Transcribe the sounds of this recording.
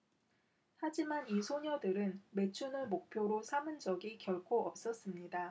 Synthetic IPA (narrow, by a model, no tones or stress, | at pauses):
had͡ʑimanisʰoɲʌdɯɾɯnme̞t͡ɕʰunɯɭmok̚pʰjoɾosʰamɯnd͡ʑʌɡikjʌɭkʰoʌp̚s͈ʌs͈ɯmɲida